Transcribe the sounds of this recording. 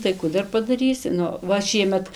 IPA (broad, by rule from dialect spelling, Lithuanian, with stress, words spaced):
tɐɪ ˈkuː dɐr pɐdɐˈrʲiːsʲɪ ˈnʊ ˈʋɐ ˈʃʲiɛmʲɛt